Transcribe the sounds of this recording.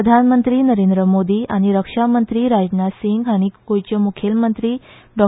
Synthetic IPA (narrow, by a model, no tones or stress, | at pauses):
əd̪ʱanmənt̪ɾiːnəɾend̪ɾəmod̪iːʔaɽ̃iɾəkʂamənt̪ɾiːɾad͡ʑnasiŋɡaɽ̃ikojt͡ɕəmukʰelmənt̪ɾiː | ɖɔ